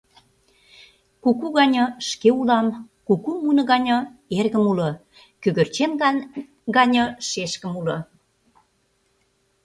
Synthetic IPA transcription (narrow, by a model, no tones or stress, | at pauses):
kukuɣɑnʲɑʃkeulɑm | kukumunə̆ɣɑnʲɤ̆erɣə̆mulɤ̆ | kyɣə̆rt͡ɕem | ɡɑnʲɤʃeʃkə̆mulɤ̆